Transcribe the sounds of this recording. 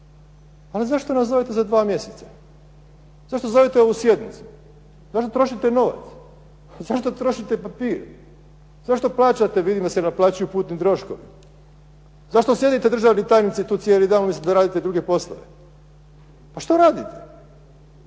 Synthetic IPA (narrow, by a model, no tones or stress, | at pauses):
alizaʃt̪onaszo̞ʋet̪ezad̪ʋaːmje̞set̪sḁ | zaʃt̪o̞zo̞ʋet̪eo̞ʋusjed̪nit̪su̥ | zaʃt̪ot̪ɾo̞ʃit̪eno̞ʋa̰t̪s | zaʃt̪ot̪ɾo̞ʃit̪epapiːɾ | zaʃt̪o̞plˠaːt͡ɕat̪eʋid̪imd̪asenaplˠaːt͡ɕujupuːt̪nit̪ɾo̞ʃko̰ʋḭ | zaʃt̪o̞sje̞d̪it̪e̞d̪ɾr̩ʒaːʋnit̪aːjnit̪sit̪uːt̪sjelid̪aːnonmislimd̪aɾaːd̪it̪ed̪ɾuɡepo̞slˠo̰ʋḛ | paʃt̪oɾaːd̪it̪e̥